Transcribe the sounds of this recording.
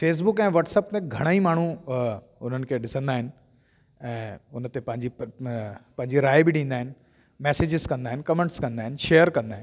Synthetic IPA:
feːs̬bʊkɛ̃ːʋɐʈsəp̚t̪ẽɡʱɐɽ̃aimaːɳ̤u | ʊn̤ənɪ̆kʰeɗɪsə̃nd̪aːɦɪnɪ̆ | ɛ̃ːʊnət̪epɐ̃ɦɪ̃ɲd͡ʑi | pɐ̃ɦɪ̃ɲd͡ʑiɾaːɪbɪɗĩːnd̪aːɦɪnɪ̆ | mɛːseːd͡ʑɪzkɐ̃nd̪aːɦɪ̃nɪkɐmẽɳʈskɐ̃nd̪aːɦɪnɪ̆ʃejəɾkɐ̃nd̪aːɦɪn

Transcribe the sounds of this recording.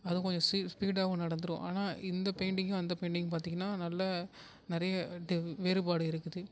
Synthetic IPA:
ɐðɯkɔɲd͡ʒɔ̃sispiːɽaːɣɐ̃nɐɽɐnd̪ɯɾʊ̰̃ʔa̰ːnaːʔɪnd̪ɐpeːɳɖɪŋːʊ̃ɐnd̪ɐpeɪɳɖɪŋʊ̃paːɾt̪iːŋɡɐnːaːnɐlːɐ | nɪɾɐjɐɖɪʋeːɾɯpaːɽɯɪɾɯkːɯðɯ

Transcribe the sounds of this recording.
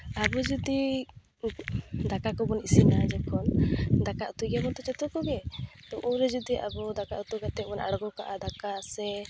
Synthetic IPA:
abɔd͡ʒud̪i | d̪akakɔbɔnisinad͡ʒɛkɔnd̪akaʔut̪uɡabɔnt̪ɔt͡ʃɛt̪ɔkɔɡɛt̪ɔʔuɾɛd͡ʒud̪iʔabɔd̪akaʔut̪uɡat̪ɛbɔnʔa̰ɽɡɔkaʔad̪akasɛ

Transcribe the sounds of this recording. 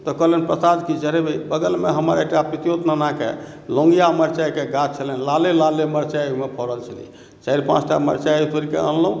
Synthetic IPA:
t̪ɔkəɦlenpɾəsad͡ʒ̪kid͡ʒəɾebəjbəɡəlmeɦəməɾekʈapɾit̪ijot̪nanakḛ | lõŋɡijaməɾt͡ʃajkeɡat̪t͡ʃʰələnlalelaleməɾt͡ʃajmepʰɔɾəlt͡ʃʰəlḭ | t͡ʃaiɾpã̰t͡ʃʰʈa̰mə̰ɾt͡ʃajit̪oɾikḛə̰nlũ

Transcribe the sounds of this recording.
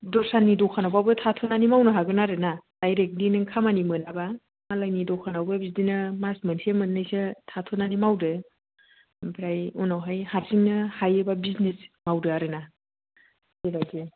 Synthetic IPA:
dɔsanːidɔkʰanawbabɯtʰatʰonanimawnɯɦaɡɯnaɾɯnad̥ajɾek̚ninɯŋkʰamanimɯnaba | malajnidɔkʰanawbabisdinɯmasmɯnsʰemɯnːɯjsɯtʰatʰonanimawdɯ | bɾajɔnawɦajhaɾsiŋnɯhajɯbabisnesmawdɯaɾɯna | ebaɡe

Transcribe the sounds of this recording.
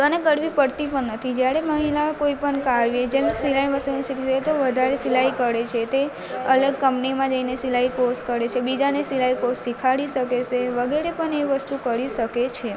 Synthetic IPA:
əneɡəɽʋipəɽt̪ipəɳnət̪ʰid͡ʒjaɾeməɦilakoipəɳkaɾʋjed͡ʒemsilaiʋəst̪unisikiʃet̪oʋəd̪ʱaɾesilaikəɽet͡ʃʰet̪e | ələɡ̚kəmpnimãd͡ʒəinesilaiposkəɾet͡ʃʰebid͡ʒanesilaipossikʰaɽiʃəket͡ʃʰeʋəɡeɾepəɳeʋəst̪ukəɾiʃəket͡ʃʰe

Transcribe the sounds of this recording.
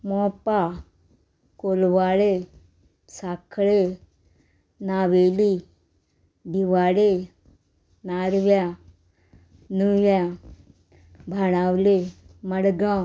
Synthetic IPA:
mɔːpaː | koːlwaːleː | saːkʰɭeː | naːʋeːli | bʱiʋaːleː | naːɾʋjaː | nuːjãː | bʱaːñaːwleːmɐɽɡãː

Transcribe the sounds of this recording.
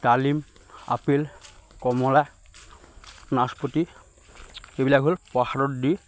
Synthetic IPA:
t̪alim | a̰pilkɔmɔla | naspoti | ebilakɦolpɔhaɹɔtdi

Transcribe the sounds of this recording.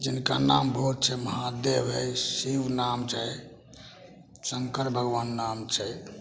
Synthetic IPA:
d͡ʒinka̰nambʱout̪̚t͡ʃʰɛməɦad̪ebɦəjsiwnamt͡ʃʰɛ | səŋkəɾbʱəɡʋanːamt͡ʃʰɛ

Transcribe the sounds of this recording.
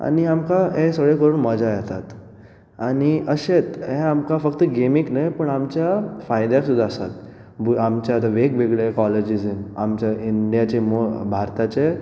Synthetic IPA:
a̰ñiamkaɦẽsəɡɭekəɾuːnməd͡ʑajet̪at̪ | aɽ̃iʔəɕet̪ɦeamkafəkt̪əɡemiknajpəɳamt͡ɕjafajd̪jaksud̪ʱːaəsa̰t̪ | bamt͡ɕjat̪aʋeɡbʱeɡɭekɔled͡ʑid͡zena̰mt͡ɕaiɳɖijat͡ɕemobʱaɾt̪at͡ɕe

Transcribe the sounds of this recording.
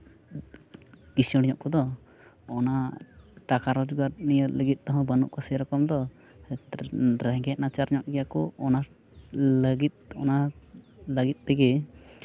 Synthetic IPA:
isɔɽiɲɔʔkɔd̪ɔ | ɔnaʈakaɾɔd͡ʒɡaɾnijələɡit̪̚ˀt̪ɔɦɔ̃bənṵʔkɔsiɾɔkɔmd̪ɔ | ɾɛɦɡɛʔ̪̚nat͡ʃaɾɲɔʔ̚ɡɛjakɔɔna | ləɡit̪̚ɔna | ləɡit̪̚ˀt̪ɛɡɛ

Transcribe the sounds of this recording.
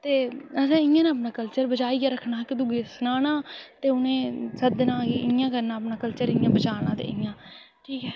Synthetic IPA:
t̪eːəsɛ̃ːɪ̃jãːnaːp̬nãːkəlt͡ʃəɾbəd͡ʒaːiːɡaːɾəkʰɳãːkɪd̪ʊɡeːsʊnaːnãːt̪eːʊnẽːsəd̪nãːɡeɪjãːkəɾnaːəpnaːkəlt͡ʃəɾɪjãːbət͡ʃaːnãːt̪ḛːɪ̃jãː | ʈʰiːkɦɛː

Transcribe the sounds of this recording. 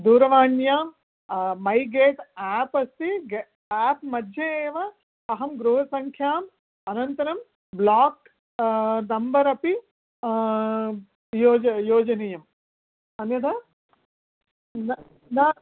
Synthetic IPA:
d̪uːɾɐʋaːɳjaːm | mɐjɡeːʈaːpɐst̪iɡ | aːpmɐd̪ʱjɐeːʋɐ | ɐɦɐmɡɾuːɦɐsɐŋkʰjaːm | ɐnɐnt̪ɐɾɐm | blaːk | d̪ɐmbɐɾɐpi | joːd͡ʒɐjoːd͡ʒɐnejɐm | ɐnjɐd̪ɐ | nɐ | na

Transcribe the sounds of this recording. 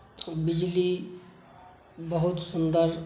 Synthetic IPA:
bid͡ʒili | bɔɦut̪sund̪aɾ

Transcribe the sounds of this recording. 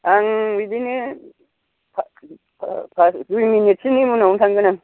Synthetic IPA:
aŋijbini | pʰ | pʰpʰasdujminit̚sinimunauntʰaŋɡɯnaŋ

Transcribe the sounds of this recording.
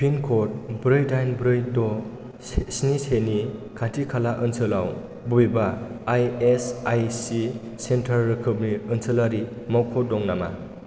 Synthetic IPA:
pʰinkʰot̚bɾɯjdajnbɾɯjdɔ | snisenikʰatʰikʰalaʔɯnsɯlaw | bujbaːjesajsi | sentʰaɾːɯkʰɯbniɯnsɯlaɾi | mawkʰɔdɔŋnama

